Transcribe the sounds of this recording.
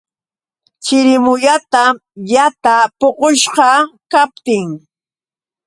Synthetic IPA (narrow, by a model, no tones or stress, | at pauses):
t͡ʃɪɾɪmʊʎat̪ajat̪apoqoʃɢɑkap̚t̪ɪŋ